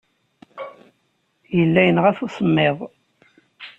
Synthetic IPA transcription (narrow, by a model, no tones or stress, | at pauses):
jəlːæjənʁæθusəmːeðˤ